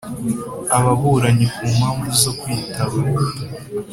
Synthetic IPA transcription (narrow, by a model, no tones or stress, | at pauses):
aβaβuɾaɲikuːmaːɱvuzo̞kwiːtʰaβa